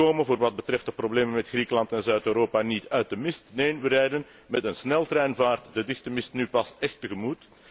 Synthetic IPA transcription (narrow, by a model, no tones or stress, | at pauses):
oːmənvoːrʋɑd̚bətrɛft̚dəprobleːmənmɛtxrikəlɑntɛnzœɥtøːɾoːpanitœɥt̚dəmɪstneːnʋəɾɛjdən | mɛtənsnɛlˠtrɛːnvaːrtdədɪxtəmɪstnypɑstɛxtːəɣəmut